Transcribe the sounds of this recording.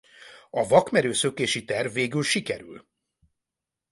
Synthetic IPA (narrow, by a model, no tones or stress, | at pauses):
ɒvɒkmɛɾøːsøkeːʃit̪ɛrvːeːɡylʃikɛ̰ɾy̰l